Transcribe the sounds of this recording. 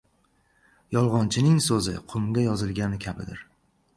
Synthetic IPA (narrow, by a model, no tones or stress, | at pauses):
jɒlˠʁɒnt͡ʃʰɪnɪŋsɵzɪ̰qʰʊmɡʲajɒzɪlˠɡʲanɪkʲʰabɪ̰d̪ɪɾ